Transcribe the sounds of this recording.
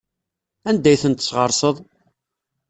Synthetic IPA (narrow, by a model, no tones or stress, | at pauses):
ænd̪æjθənt̪ə̥sʁəɾˤsəðˤ